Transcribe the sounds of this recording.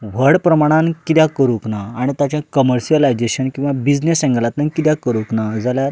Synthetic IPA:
ʋ̤əɽpɾəmaɽ̃ãnkit̪jãkəɾuknaːɽ̃it̪at͡ɕãkəməɾɕiəlajd͡zeɕənkĩw̃ʋabid͡znesɛ̃ŋɡlat̪nankit̪jakəɾuknad͡zaljaɾ

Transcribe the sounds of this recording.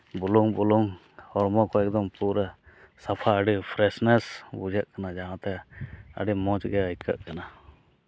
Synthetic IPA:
buluŋbuluŋ | hɔɾmɔkɔɛk̚d̪ɔmpuɾə | sapʰaəɖipʰɾɛsnɛsbud͡ʒəʔkanad͡ʒaɦãʔt̪ɛə̰ɖimɔ̃t͡ʃɡɛaikə̰ʔkana

